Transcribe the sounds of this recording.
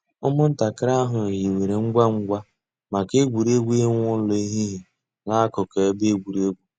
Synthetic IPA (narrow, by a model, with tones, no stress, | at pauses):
ʊ˦mʊ˦n̩˦ta˨kɪ˦ɾa˦ɦʊ˨ji˨we˨ɾe˨ŋ͡m̩˦ɡ͡bʷa˦ŋ͡m̩˦ɡʷa˦ | ma˨ke˦ɡʷu˨ɾe˦ɡʷe˦ŋʷ˦ʊ˦lo˦i˦ɦi˦ɦi˨ | na˦kʊ˨ke˨˦be˦ɡʷu˨ɾe˦ɡʷu˦